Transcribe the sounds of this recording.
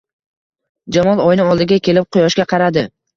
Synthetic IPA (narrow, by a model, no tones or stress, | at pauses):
d͡ʒamɒlˠɒjnɪɒlˠd̪ɪɡʲakʲʰe̞lɪp̚qʰʊjɒʃkʲaqʰɑɾad̪ɪ